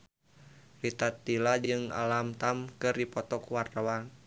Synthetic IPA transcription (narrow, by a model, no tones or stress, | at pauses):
rit̪at̪ːilad͡ʒɨŋa̰lamt̪amkɨrdipɔt̪ɔkuwart̪awaŋ